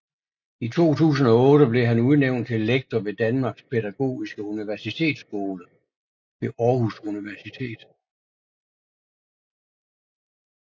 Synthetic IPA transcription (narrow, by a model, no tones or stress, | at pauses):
it͡sʰo̝̰ːt͡sʰṵːs̬n̩ɒ̽ɔ̽ːɾ̥əb̥le̝ɦænuð̩ˠneʊ̰nt͡sʰe̝leɡ̥̚t͡sʰɒʋe̝d̥ænmɑ̈ːɡ̥spʰedæɡ̥o̝̰ːisɡ̥əuniʋæɐsit͡sʰe̝̰ːd̥sɡ̥o̝ːlə | ʋe̝ʔɒːhusuniʋæɐsit͡sʰe̝̰ːd̥